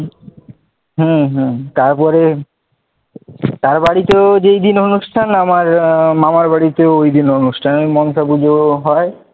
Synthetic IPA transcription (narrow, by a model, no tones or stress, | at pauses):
ɦũɦt̪aɾpɔɾe | t̪aɾbaɽit̪eod͡ʑejd̪inonuʃʈʰanamaɾmamaɾbaɽit̪eoojd̪inonuʃʈʰanemɔnsʰabud͡ʑʱoɦɔe